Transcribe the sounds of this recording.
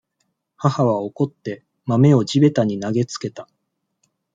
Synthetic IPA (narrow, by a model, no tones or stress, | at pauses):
hahaβ̞ao̞ko̞t̪ːe̞ | mame̞o̞d͡ʑibe̞t̪aɲ̟inaɡe̞t͡sɨ̥ke̞t̪a